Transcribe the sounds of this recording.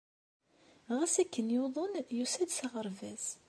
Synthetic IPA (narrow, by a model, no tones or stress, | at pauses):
ʁæsækːənjoðˤənjusæd̪saʁəɾvæz